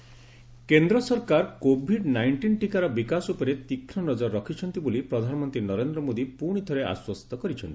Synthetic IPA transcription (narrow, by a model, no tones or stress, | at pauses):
kend̪ɾɔsɔɾkaɾkobʱiɖnajɳʈinʈikaɾɔbikasupɔɾet̪ikʰɾɔnɔd͡ʒɔɾɔkʰit͡ʃʰɔnt̪ibolipɾɔd̪ʱanɔmɔnt̪ɾinɔɾend̪ɾɔmod̪ipuɽ̃it̪ʰɔɾea̰swɔst̪ʰɔkɔɾit͡ʃʰɔnt̪i̥